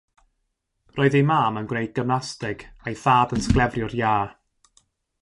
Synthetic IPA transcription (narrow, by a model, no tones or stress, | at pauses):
rʔɔːɨðimaːmənɡwnejd̚ɡəmnastɪɡ̥ajθaːdənsklˠɛvrjʊrjaː